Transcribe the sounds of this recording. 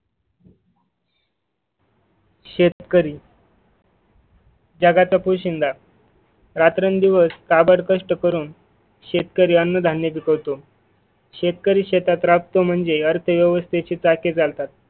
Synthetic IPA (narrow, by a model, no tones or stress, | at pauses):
ɕekəɾiː | d͡ʑaɡat͡sapuɕind̪ʱa | ɾat̪ɾənd̪iʋəskabəɽkəʂʈəkəɾuːn | ɕet̪kəɾiːənːəd̪ʱanjəpikəʋt̪o | ɕet̪kəɾiːɕet̪at̪ɾap̚t̪om̤əɳd͡zeəɾt̪ʰəʋjəʋəst̪ʰet͡ɕiːt͡saked͡zalt̪at̪